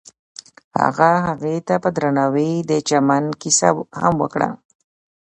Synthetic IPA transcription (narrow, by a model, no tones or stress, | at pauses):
ha̰ɣaɦaɣet̪apəd̪ɾanawid̪ət͡ʃamankisa̰ha̰mwəkɽa̰